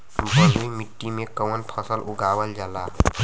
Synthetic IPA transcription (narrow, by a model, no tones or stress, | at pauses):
bəɦujmiʈːimekəwənpʰəsəlʔuɡawəld͡ʒala